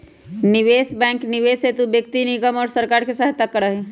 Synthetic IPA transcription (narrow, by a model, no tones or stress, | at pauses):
nɪʋeːsbɛ̃ːŋknɪʋeːset̪ubjək̚t̪inɪɡəmɔːɾsəɾkaːɾkesaɦt̪akːəɾəɦi